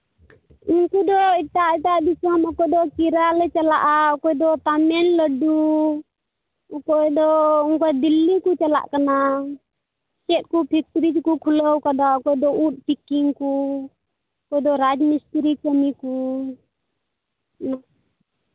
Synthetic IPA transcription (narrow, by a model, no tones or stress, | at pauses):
unkud̪ɔiʈaʔiʈaʔb̪isamakɔd̪ɔkiɾalɛt͡ʃalaʔakɔjd̪ɔt̪amɛnləɖu | kɔd̪ɔunkad̪ilːikut͡ʃala̰ʔkana | t͡ʃɛt̪̚kupʰik̚t̪ɾid͡ʒkukʰuləwkad̪akɔjd̪ɔut̪̚ˀpikiŋku | kɔjd̪ɔɾad͡ʒmist̪ɾikəmiku | na